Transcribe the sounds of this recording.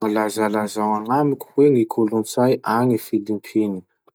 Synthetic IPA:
malazalazawaŋamikʲu̥weŋikʰulunt͡sajʔaŋifilimpʰini

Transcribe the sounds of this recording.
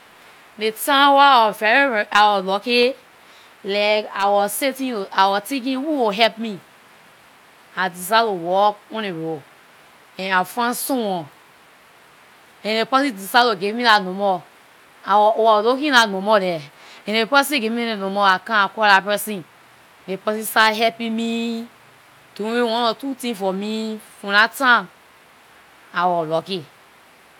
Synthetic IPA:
detãwaawɔfɛɹiawɔlɔke | lɛkawɔsetĩoawɔtẽk̬ĩwiwoɦɛp̚mi | adisalowɔk̚ɔ̃neɹo | ɛ̃nafãsɔ̃wɔ̃ | ɛ̃nepɔsĩdisaloɡevmilanɔ̃mɔ | awwɔlokĩlanomɔɾɛ | ɛ̃nepɛs̬ĩɡemĩenõmɔakãakɔlapɛsĩn | nepɔsisaɦɛpimi | toewɔ̃nɔtutĩfɔmifɔ̃natã | awɔloki

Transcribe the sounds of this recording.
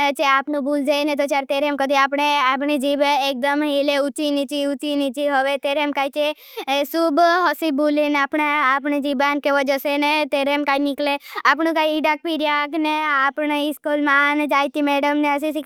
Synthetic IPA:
t͡ʃeaːpnũbuld͡ʒanet̪ot͡ʃjaɾt̪eɾemkəd̪iaːpɳeap̬ɳid͡ʒibeek̚d̪əmɦeleut͡ʃinit͡ʃiut͡ʃinit͡ʃiɦəʋet̪eɾemkaːit͡ʃe | subɦɔsibulinaːpɳeapɳid͡ʒibankeʋɔd͡ʒəsenet̪eɾemkaːinikleaːp̬ɳũkaːiiɖak̚piɾijakneaːpɳeiskulmand͡ʒaːjt̪imeɽəmneəs̬isi

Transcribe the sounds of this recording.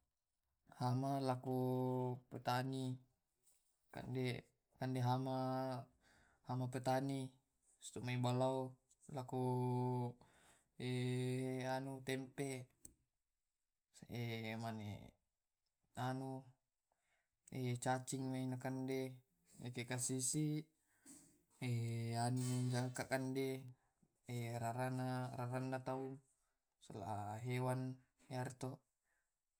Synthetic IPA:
hamalakupət̪ani | ka̰nde | kandeɦama | hamapət̪ani | st̪umaibalau | laku | e | anut̪ɛmpe | emanḛ | anu | et͡ʃat͡ʃiŋmeinakande | ḛkekasisi | eanud͡ʒakakande | eɾaɾanaraɾanːat̪au | sa̰la̰aɦewan | jart̪o

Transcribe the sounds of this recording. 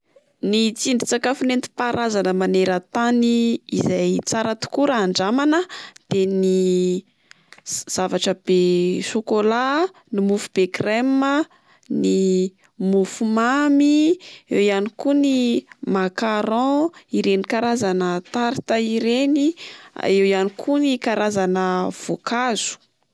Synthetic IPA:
nit͡siɳɖ͡ʐi̥t͡sakafunent̪i̥paɾʔazanəmaneɾət̪aniːzajt͡saɾət̪u̥kuɾːɳɖ͡ʐamanəd̪̥eni | z̥avaʈ͡ʂəb̥eʃokola | nimufub̥ekrɛmə | ni | mufumamiewijanikunimakaɾɔ̃iɾenikaɾazanət̪aɾit̪aiɾenia̰ewjanikʰunikaɾazanəv̥okazu̥

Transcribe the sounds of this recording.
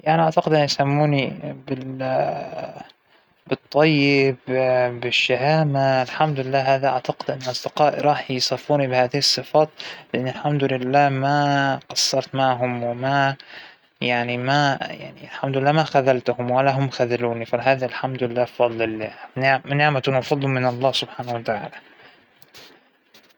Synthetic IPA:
jaʔniʔaʕt̪aqɪd̪ʔɪnːjsamːuːnibɪ | bɨt̪ˤːɑjːɪbbɪʃːaɦaːmaɪlħamd̪lɪlːaːɦhaːðaʔaʕt̪aqɪd̪ʔɪnːʔɑsˤd̪ɪqɑːʔɾˤɑːħjsˤɑfːuːnibɪhaːðɪhɨsˤːɨfɑːt̪lɪʔɪnːalħamd̪ʊlɪlːaːhmaqɑsˤːɑɾˤt̪maʕɦʊmwɪma | jaʕnimaja̰ʕnḭalħamd̪ʊlɪlːaːmaxaðalt̪ʊhʊmwalːaɦʊmːxaðaluːnifaɦaːðalħamd̪ʊlɪlːaːfɑd̪ˤlɪlːanɪʕnɪʕmat̪ʊnfɑd̪ˤːumɪnɑlˤːɑːhsʊb̥ħaːnawat̪aʕa̰ːla

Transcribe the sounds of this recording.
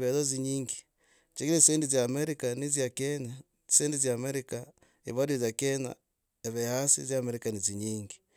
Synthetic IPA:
βeðoziɲiːŋɡi | t͡ʃeɣiɾesendizjaːmeɾikanizjakene | seːndizjaːmeɾika | ḭβadozakena̰ | eβehasḭzjameɾikaniziɲiːŋɡi

